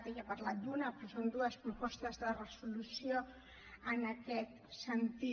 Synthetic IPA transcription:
t̪ejapəɾlad̪unapɾosond̪uəspɾupɔst̪əzðərəsulusio | ənakɛt̪sənt̪i

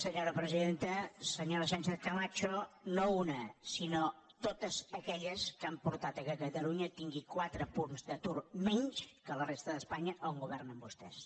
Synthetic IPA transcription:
səɲoɾəpɾəziðent̪əsəɲoɾəʃ̬ɛnt͡ʃɛt̪kəmat͡ʃonounəsino | t̪ot̪əzəkɛʎəskampuɾt̪at̪əkətət̪əluɲət̪iŋɡikwat̪ɾəpunzðət̪urmɛɲʃkələrest̪əðəspaɲəʔuŋɡuβɛrnəmbust̪ɛ̰s

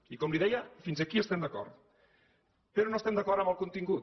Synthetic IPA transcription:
ikɔmliðɛjəfinzəkiəst̪ɛmd̪əkɔ̰ɾt̪ | pəɾɔnost̪ɛmd̪əkɔɾəmbəlˠkunt̪iŋɡut̪

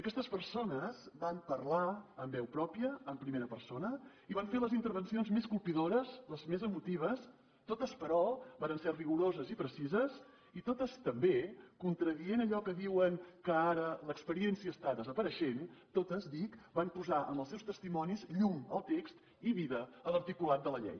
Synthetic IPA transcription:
əkɛst̪əspəɾsonəzbampəɾlaəmbɛwpɾɔpiəːmpɾimeɾəpəɾsonə | iβaɱfeləzint̪əɾβənsionzmeskulˠpiðoɾəzləzmezəmut̪iβ̞əs | t̪ot̪əspəɾɔβaɾənsɛriɣuɾozəzipɾəsizəz | it̪ot̪əst̪əmbekunt̪ɾəðienəʎɔkəðiwəŋkəaɾələkspəɾiɛnsiəːst̪aðəzəpəɾəʃent̪ot̪əzd̪ikbampuzaʔə̰mbəlˠsɛwst̪əst̪imɔnizʎuŋə̰lˠt̪ekst̪ | iβiðəələɾt̪ikulat̪̚d̪ələʎɛ̰j

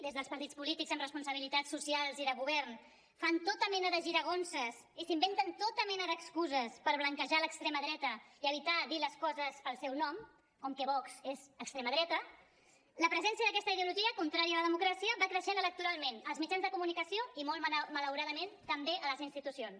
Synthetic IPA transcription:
d̪ezðəlˠspəɾt̪it͡spulit̪ikzəmrəspunsəβ̞ilit̪asːusialˠziðəɣuβɛɾn | fant̪ot̪əmɛnəðəʒiɾəɣ̞onsəs | isimbent̪ənt̪ot̪əmɛnəðəkskuzəspəɾβləŋkəʒaləkst̪ɾeməðɾɛt̪əiəβit̪adiləskɔzəspəlˠsɛwnɔm | kɔmkɛβɔksezəkst̪ɾeməðɾɛt̪ə | ləpɾəzɛnsijəðək̬ɛst̪əiðiuluʒiəkunt̪ɾaɾiəːləðəmukɾasiəβakɾəʃenələk̚t̪uɾalˠmenəlzmid͡ʒanzðəkumunikəsioimɔlˠmələwɾaðəment̪əmbeʔələzinst̪it̪usions

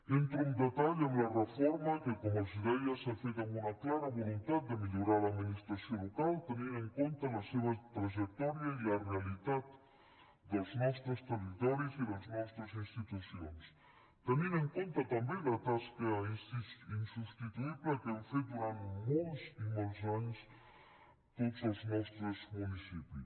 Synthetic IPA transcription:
ent̪ɾound̪et̪aʎenlarefɔɾmakekomoziðejasafet̪aŋunaklaɾaβolunt̪at̪̚d̪emeʎoɾaɾlaːd̪minist̪ɾasjonlokalt̪eniɾeŋkont̪alaseβat̪ɾaʒek̚t̪ɔɾjailarealit̪at̪̚ | d̪elznɔst̪ɾest̪erit̪ɔɾjosiðelznɔst̪ɾasinst̪it̪usjons | t̪enĩɾeŋkont̪ɐt̪ambelat̪askɐaisisinsust̪it̪uiβlekenfed̪uɾant̪molsimols̬aɲus | t̪ot̪selznɔst̪ɾozmunisipus

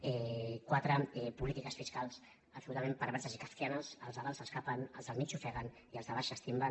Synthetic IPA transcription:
ɛkwat̪ɾəɛpulit̪ikəsfiskalˠs | əpsulut̪amempəɾβɛɾsəzikaft̪ianəsəlˠzaβalˠzəskapənəlˠzðəlmit͡ʃufɛɣən | iəlzðəβaʃəst̪imbən

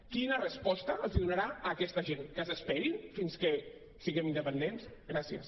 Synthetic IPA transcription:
kinərəspɔst̪əːlziðunaɾaəːkɛst̪əʒenkəzəspɛɾinfinskə | siɣɛmind̪əpənd̪ensɣɾasiə̰s

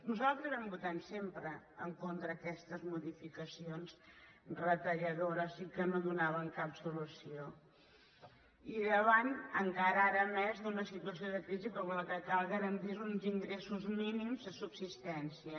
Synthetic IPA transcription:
nuzalˠt̪ɾəzβɛmbut̪ansempɾəəŋkont̪ɾəːkɛst̪əzmuðifikəsionz | rət̪əʎəðoɾəzikənoðunaβ̞əŋkapsulusio | iðəβanəŋkaɾəaɾəmɛzðunəsit̪uəsioðəkɾizikɔmləkəkalˠɣəɾənt̪iɾunziŋɡɾesuzminimzðəsubsist̪ɛnsiə

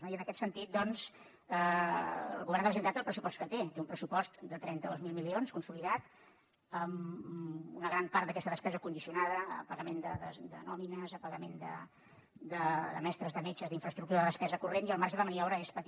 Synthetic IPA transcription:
noiənəkɛt̪sənt̪it̪̚d̪ɔnz | ə̰ | lˠɣuβɛrnd̪əpɾzint̪at̪əlˠpɾəsupɔst̪kət̪et̪eumpɾəsupɔst̪d̪ət̪ɾɛnt̪əðozmilˠmilionskunsuliðat̪ | əm | unəɣɾampaɾt̪d̪əkɛst̪əðəspɛzəkund̪isiunaðəəpəɣəmend̪əðəd̪ə̰nɔminəzəpəɣəmend̪ə̰ | d̪əd̪ə̰mɛst̪ɾəzðəmet͡ʃəzðiɱfɾəst̪ɾuk̚t̪uɾəðəðəspɛzəkureniəlˠmaɾʒəðəməniɔβɾəespət̪

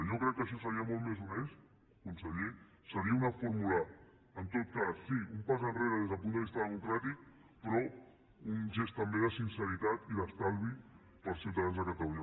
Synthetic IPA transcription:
ʒokɾɛkːəʃ̬ɔsəɾiəmolˠt̪mezunes | kunsəʎe | səɾiəunəfuɾmulə | ənt̪ot̪̚kasːiumpazənreɾəðezðəlˠpund̪əβist̪əðəmukɾat̪ik̚ | pɾɔ | unʒest̪əmbeðəsinsəɾit̪at̪iðəst̪alˠβi | pəlˠsiuwt̪aðanzðəkət̪əluɲə

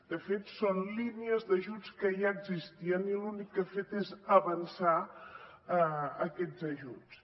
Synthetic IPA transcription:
d̪əfet̪sonliniəzðəʒut͡skəʒaəɡzist̪iənilunikːəfet̪ezəβənsa | əkɛzəʒut͡s

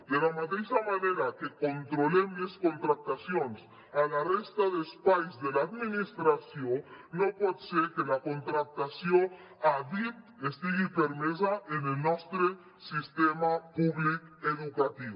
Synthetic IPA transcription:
d̪elamat̪ejsamane̞ɾakeko̞nt̪ɾolemisko̞nt̪ɾak̚t̪asjones | alarest̪aðespajzdelaːðmĩnist̪ɾasjonːo̞pweðseɾkelako̞nt̪ɾak̚t̪asjo̞ | aðip̚t̪est̪iɣipeɾmes̬aʔenelnost̪ɾe | sist̪emapuβlikeðukat̪iβo

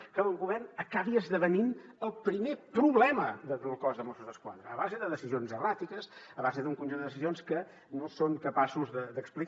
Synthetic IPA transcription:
kəəlˠɡuβɛrnəkaβiəzðəβəninəlˠpɾimepɾuβlɛməðəðəlˠkɔzðəmosuzðəskwa̰ðɾəːβazəðəðəsizionzərat̪ikəsəβazəðuŋkunʲʒund̪əðəsizionskə | nosoŋkəpasuzðəd̪əkspli

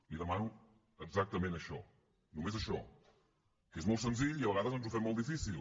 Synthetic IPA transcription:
liðəmanu | əɡzak̚t̪əmẽnəʃɔ̰ | numezəʃɔ | kezmolˠt̪sənziʎiɐβəɣaðəzɔnzufɛmːolˠt̪ifisilˠ

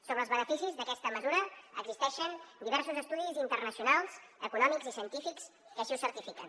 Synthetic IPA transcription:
soβɾəlˠzβənəfisizðəkɛst̪əməzuɾəə̰ɡzist̪ɛʃənd̪iβɛɾsuzəst̪uðizint̪ərnəsiunalˠzəkunɔmiɡzisiənt̪ifiks | kəsʃiusəɾt̪ifikə̰n

